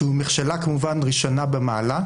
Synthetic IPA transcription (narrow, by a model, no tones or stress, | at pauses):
umeχʃelakemuvanʁiʃonabemaːla